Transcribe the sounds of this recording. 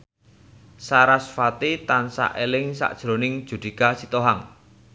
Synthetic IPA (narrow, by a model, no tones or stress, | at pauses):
saɾasfat̪it̪ansa̰ʔelɪŋsa̰ʔd̥ʒ̥ɾonɪŋd̥ʒ̥ṳd̪̥i̤kasit̪oɦaŋ